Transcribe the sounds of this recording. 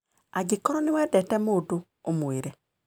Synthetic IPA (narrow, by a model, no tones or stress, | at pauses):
aɡikɔɾɔnewadɛtɛmodo | omoeɾɛ